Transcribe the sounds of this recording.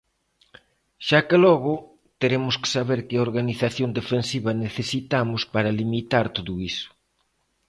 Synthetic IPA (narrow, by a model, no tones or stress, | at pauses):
ʃakelɔɣʊ | t̪eɾemʊskɪ̥saβeɾkɪoɾɣaniθaθjond̪efensiβɐneθesit̪amʊspaɾalimit̪aɾt̪oðʊisʊ̥